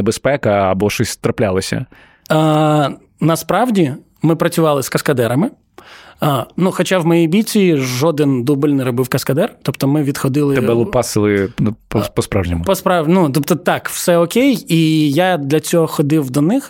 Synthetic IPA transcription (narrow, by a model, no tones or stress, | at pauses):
ebespɛkɐɐ̰bɔʃɔsʲt̪ɾɐplʲalˠɐsʲɐ̰ | nɐspɾɑwdʲi | mɪpɾɐt͡sʲʊʋɑlˠɪskɐskɐd̪ɛɾɐmɪ | nuxɔt͡ʃawmɔjijbʲit͡sʲiʒɔd̪ɪnd̪ubɪlʲnɛɾɔbɪwkɐskɐd̪ɛrt̪ɔpt̪ɔmɪʋʲid̪xɔd̪ɪlˠɪɛbɛlˠʊpɑsɨlˠɪppɔspɾawʒnʲimʊpɔspɾɑnut̪ɔpt̪ɔt̪ɑkwsɛɔkʲejijad̪lʲɐt͡sʲɔɦɔxɔd̪ɪwd̪ɔnɪx